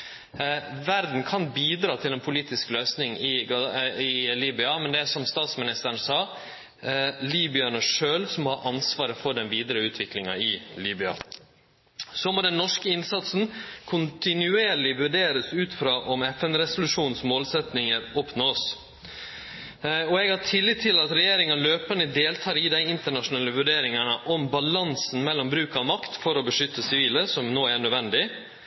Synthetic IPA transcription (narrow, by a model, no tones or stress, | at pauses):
ʋæɾd̪n̩kʰɑnbiːd̪ɾɑːt̪ʰɪlɛnpʰʊliːt̪ɪskløːsnɪŋɪɡɑɪliːbʏɑmɛnd̪ɛæʂɔmst̪ɑːt̪smɪnɪst̪əɳ̩sɑː | liːbʏɑnəʂøːlsɔmhɑɾʔɑnsʋɑːɾəfɔɖɛnʋiːd̪əɾəʉːt̪ʰʋɪklɪŋɑ̰ɪliːbʏɑ̰ | soːmoːd̪ɛnːɔʂkəɪnsɑt̪sn̩kʰʊnt̪ɪnʉeːɾɭɪʋʉɖeːɾəsʉːt̪fɾɑːʔɔmɛfɛnɾɛsʊlʉʂuːnsmoːlsɛt̪nɪŋəɾɔpnoːs | ɔɛɡhɑʈʰɪlːɪt̪ʰːɪlɑt̪ɾɛjeːɾɪŋɑløːpənəd̪eːlt̪ʰɑːɾɪd̪æɪɪnt̪əɳɑʂʊnɑːləʋʉɖeːɾɪŋɑɳəʔɔmbɑlɑnsn̩mɛlːɔmbɾʉːkɑʋmɑkt̪fɔɾɔbəʂʏt̪ːəsɪʋiːləsɔmnoːæɳœːd̪ʋɛnd̪ɪ